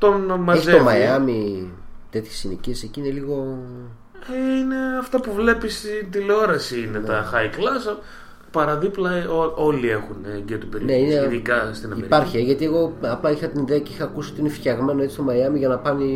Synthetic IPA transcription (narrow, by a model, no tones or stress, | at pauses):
t̪o̞nmɐeçizet̪omɐjɐmit̪e̞t̪çesinicieseciine̞liɣo̞ | ine̞ɐft̪ɐpuvle̞pist̪int̪ileo̞ɾɐsiinet̪ɐxɐiklɐsɐ | pɐɾɐðiplɐoo̞lie̞xunɟet̪opeɾineineðikɐst̪inɐmiḛɾpɐɾçieʝɐt̪ie̞ɣo̞ɐplɐixɐt̪iniðeɐce̞ixɐːkusio̞t̪iinefçɐɣme̞no̞et͡ssist̪omɐjɐmiʝɐnɐpɐni